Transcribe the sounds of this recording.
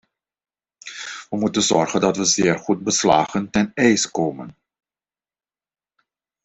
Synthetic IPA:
ʋəmutənzɔɹχəndɑtʋəzɪːrχut̚bəsla̰ːχəntɛnɛjskoːmən

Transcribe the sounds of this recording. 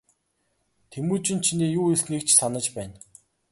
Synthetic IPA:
t̪ʰemuːt͡ɕɪ̆nt͡ɕʰiniːjuːiɮniːk̚t͡ɕʰsanə̆t͡ɕpæːn

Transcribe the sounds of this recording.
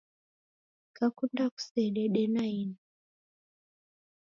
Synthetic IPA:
kakundaku̥sɛɗɛɗɛnaini

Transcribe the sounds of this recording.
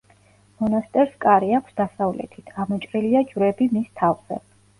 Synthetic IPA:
mɔnast̪ʼɛɾskʼaɾiakʰsd̪asavlɛ̰t̪ʰit̪ʰɡamɔt͡ʃʼɾiliad͡ʒvɾɛbimist̪ʰavz̥ɛ̰

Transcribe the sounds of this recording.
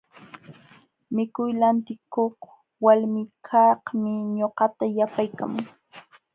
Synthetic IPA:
mɪkʊjlant̪ɪkoχ | walmɪkʰɑhmɪɲoqɑt̪ajapajka̰mʊŋ

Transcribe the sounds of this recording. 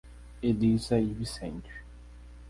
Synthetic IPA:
ed̪izɐivisḛ̃nt͡ʃi̥

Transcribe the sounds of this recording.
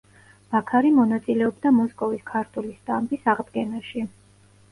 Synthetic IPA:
b̥akʰaɾimɔnat̪sʼilɛɔbd̪amɔskʼɔviskʰaɾt̪ʰulist̪ʼambisaʁd̪ɡɛnaʃi

